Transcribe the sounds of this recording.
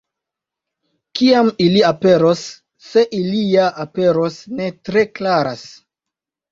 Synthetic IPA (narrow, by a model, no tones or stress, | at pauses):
kiamiliape̞ɾosː | e̞ʔilijaʔape̞ɾosne̞tɾe̞klaɾas